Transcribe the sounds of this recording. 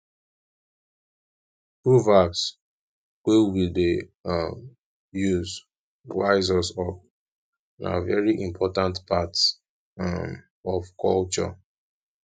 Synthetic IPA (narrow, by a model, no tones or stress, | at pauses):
pɹuvaks | wewide | juz | ɹaɪzɔsɔp | na̰vɛɹiʔĩmpʰɔtãntpats | ɔvkʰɔlt͡ʃɔ̰